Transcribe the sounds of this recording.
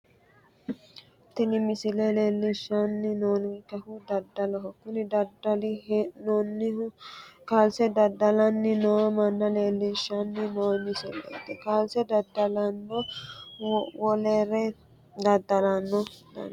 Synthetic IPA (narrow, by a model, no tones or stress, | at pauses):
t̪ɪnɪmɪsɪleleːlːɪʃanːɪnoːnɪŋkɐhʊd̪ɐd̪ːɐlɐɦɔkːʊnɪd̪ɐd̪ɐlɪnonɪ | kaːlsɛd̪ɐd̪ɐlɐnːɪnoːmɐnːɐleːlːɪʃanːɪnoːmɪsɛlɐ̰d̪ɛkaːlsɛd̪ɐd̪ːɐlɐnːɔ | wɔleːɾɛ | d̪ɐd̪ɐlɐnːɔd̪ɐ̰